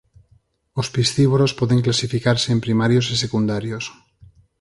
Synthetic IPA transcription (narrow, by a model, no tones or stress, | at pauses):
ospisθiβoɾospoðeŋklasifikaɾseːmpɾimaɾjosisekund̪aɾjos